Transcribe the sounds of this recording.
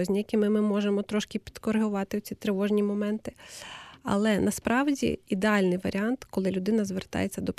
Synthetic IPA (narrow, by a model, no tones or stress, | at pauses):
ɔzʲnʲijɐkʲimɪmɪmɔʒemɔt̪ɾɔʃkɪpʲi̥d̪kɔɾɦʊʋɑt̪ɪʊt͡sʲit̪ɾeʋɔʒnʲimɔmɛnt̪ɪ | ɐ̰lˠɛnɐspɾɑwdʲḭid̪eɑlʲnɪjʋɐɾʲiɑnt̪kɔlˠɪlʲʊd̪ɪnɐzʋert̪ɑ̰jet͡sʲːɐd̪ɔp